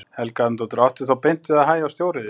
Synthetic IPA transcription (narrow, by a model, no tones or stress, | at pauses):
hɛlkant̪ɔt̪ɾawht̪ɪθawpejn̥t̪ɪaðɦaːjawst̪jowɾɪðɪ